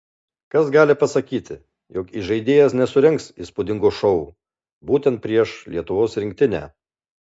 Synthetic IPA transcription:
kɐsɡɑːlʲɪpɐsɐkʲiːt̪ʲɪ | joːkiʒɐɪd̪ʲeːjɛsnʲɛsʊɾʲɛŋksiːspʊd̪ʲɪŋɡoːʃɔʊ | buːt̪ʲɛnt̪̚pʲɾʲiɛʃlʲiɛt̪ʊʋoːsɾʲɪŋʲk̚ʲt̪ʲɪnʲæ̰ː

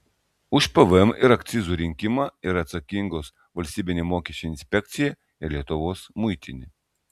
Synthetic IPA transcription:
ʊʃpəʋəɛmɪɾɐkt̪sʲɪzuɾʲɪŋʲkʲimɐɪɾɐt̪sɐkʲiŋɡoːs | ʋɐlʲsʲt̪ʲiːbʲɪnʲemoːkʲiɛʃʲt͡ʃʲoɪnʲsʲpʲɛk̚t̪sʲɪjɛ | ɪɾlʲiɛt̪ʊʋoːsmʊjt̪ʲɪnʲɪ

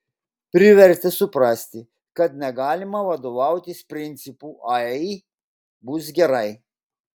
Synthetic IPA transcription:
pʲɾʲɪʋʲɛɾʲt̪ʲɛsʊpɾɑsʲt̪ʲɪ | kɐt̪nʲɛɡɑːlʲɪmɐʋɐd̪oːʋɑˑʊt̪ʲɪspʲɾʲɪnʲt̪sʲɪpuːʔɐɛ | bʊs̬ɡʲɛɾɐɪ

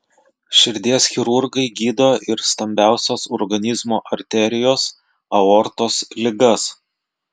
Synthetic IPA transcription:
ʃʲɪɾʲd̪ʲiɛsxʲɪɾʊɾɡɐɪɡʲiːd̪oːʔɪɾst̪ɐmʲbʲæˑʊsʲoːsɔɾɡɐnʲɪzmoːʔɐɾʲt̪ʲɛɾʲɪjoːs | ɐɔɾt̪oːslʲɪɡɐs

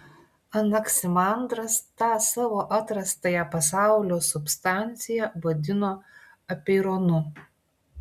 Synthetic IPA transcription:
ɐnɐksʲɪmɑˑnd̪ɾɐst̪ɑːsɑːʋoːʔɐt̪ɾɐst̪ɐjɛpɐsɑˑʊlʲoːsʊpst̪ɑˑnʲt̪sʲɪjɛʋɐd̪ʲɪnoː | ɐpʲeɾoːnʊ

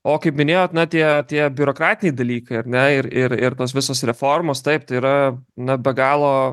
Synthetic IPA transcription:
oːkɐɪpmʲɪnʲeːjoːt̪nɐt̪ʲiɛt̪ʲiɛbʲʊɾoːkɾɑːt̪ʲɪnʲɛɪd̪ɐlʲiːkɐɪɐɾnʲɛɪɾɪɾɪɾt̪oːs̬ʋʲɪsoːsɾʲɛfoːrmoːst̪ɐɪp̚t̪ɐɪiːɾɐnɐbʲɛɡɑːlˠoː

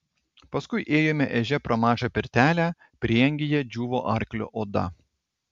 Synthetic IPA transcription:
pɐskʊɪʔeːjoːmʲɛʔɛʒʲɛpɾɐmɑːʒɑpʲɪɾʲt̪ʲæːlʲæ | pʲɾʲiːɛŋʲɡʲɪjɛd͡ʒʲuːʋoːʔɐɾʲklʲʊ̰ʔod̪ɐ̰

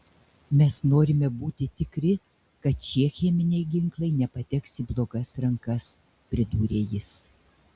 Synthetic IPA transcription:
mʲɛsnoːɾʲɪmʲɛbuːt̪ʲɪt̪ʲɪkɾʲɪ | kɐt̪̚t͡ʃʲiɛxʲɛmʲɪnʲɛɪɡʲɪŋklˠɐɪnʲɛpɐt̪ʲɛksʲɪblˠoːɡɐsɾɐŋkɐs | pʲɾʲɪd̪uːɾʲeːjɪs

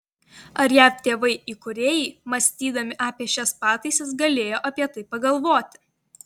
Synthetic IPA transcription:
ɐɾjæːpt̪ʲeːʋɐɪiːkʊɾʲeːjɛɪmɐsʲt̪ʲiːd̪ɐmʲɪʔɑːpʲiɛʃʲɛspɑːt̪ɐɪsʲɛsɡɐlʲeːjoːʔɐpʲiɛt̪ɐɪpɐɡɐlˠʋoːt̪ʲɪ̥

